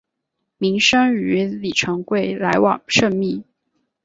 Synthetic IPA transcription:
mi˧˥ŋʂɤ˥ŋy˧˥li˨˩ʈ͡ʂʰɤ˧˥ŋkwe˥˩ɪla˧˥ɪwɑ̰˨˩ŋʂɤ˥˧ŋmi˥˩

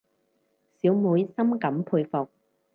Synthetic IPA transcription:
siː˨˥wmuː˨˧jsɐ˥mkɐ˨˥mpʰuː˧jfɔ˨k̚

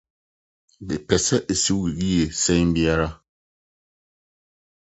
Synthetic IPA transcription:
bɪ˨pɛ˨sɛ˦ʔe˨su˦i˨ɣi˦e˨sɛ̃˦bi˦a˦ɾa˦

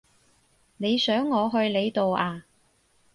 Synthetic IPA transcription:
ne˨˧jsœː˨˥ŋːɔː˨˧ɦɵ˧ɥle˨˧jt̪o˨wʔaː˧

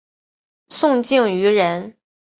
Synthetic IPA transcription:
sʊ˥˧ŋt͡ɕi˥˩ŋy˧˥ɻə˧˥n

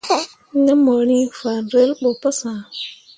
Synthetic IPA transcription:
ŋə˦mə˨ni˦fa˨nɾe˦lɓo˨pə˦sã˨

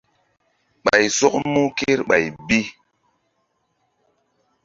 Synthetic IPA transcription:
ɓa˨jsɔ˦k̚mu˦ke˦ɾɓa˨jbi˦

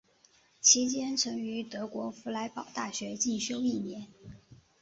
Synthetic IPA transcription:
t͡ɕʰi˧˥t͡ɕjɛ˥nʈ͡ʂʰɤ˧˥ŋy˧˥t̪ɤ˧˥kwɔ˧˥fu˧˥la˧˥ɪpɑ˨˩ʊt̪a˥˩ɕɥɛ˧˥t͡ɕi˥˩ɕjo˥ʊi˥˩njɛ˧˥n

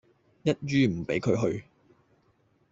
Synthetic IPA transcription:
jɐ˥t̚ɥyː˥m̩˨˩pe˨˥jkʰɵ˨˧ɥɦɵ˧ɥ

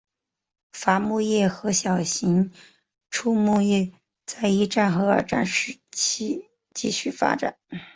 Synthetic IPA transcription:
fa˧˥mu˥˧jɛ˥˩xɤ˧˥ɕjɑ˨˩ʊɕi˧˥ŋ | ʈ͡ʂʰu˥˧mu˥˧jɛ˥˩ | t͡sa˥˧ɪi˥ʈ͡ʂa˥˩nxɤ˧˥ə̰˞˨˩ʈ͡ʂa̰˥˩nʂɻ̩˥˩t͡ɕʰi˥ | t͡ɕi˥˧ɕy˥˩fa̰˥ʈ͡ʂa˨˩˦

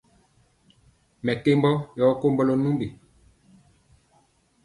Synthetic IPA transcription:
mɛ˨ke˦mbɔ˦jɔ˨˦ko˦mbɔ˦lɔ˦nu˦mbe˨

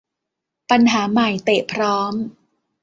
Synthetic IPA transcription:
pa˧nɦaː˩˦ma˨˩jt̪eː˨˩pʰɾɔː˦˥m

